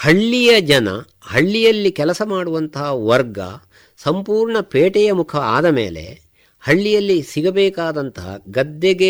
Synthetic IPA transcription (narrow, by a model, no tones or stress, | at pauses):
hɐɭːijɐd͡ʒɐnɐ̰ | hɐɭːijɐlːikɛlɐsɐmaːɽuʋɐnt̪ɐɦɐʋɐɾɡɐ̰ | sɐmpuːɾɳɐpeːʈɛjɐmukʰɐa̰ːd̪ɐmḛːle̞̰ | hɐɭːijɐlːisiɡɐbɛːkaːd̪ɐnt̪ɐɦɐ̰ɡɐd̪ːeɡe